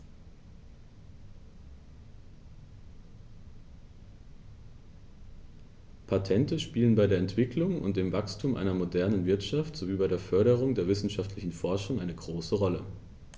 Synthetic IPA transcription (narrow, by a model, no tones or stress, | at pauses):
pʰatʰɛntəʃpiːlənbaɪdeɐɛntv̥ɪkʰlʊŋʊ̰nt̚d̥eːmvakstʰuːmʔa̰ɪnɐmodɛɐnənvɪɐtʃaftz̥oviːbaɪɾeːɐfœɐɾəʁ̞ʊŋdeːɐvɪsn̩ʃaftlɪçn̩fɔɐʃʊŋʔaɪnəɡʁoːsəʁɔlə